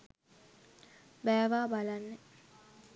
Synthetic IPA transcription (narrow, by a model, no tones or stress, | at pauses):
bæːʋaːbalanːe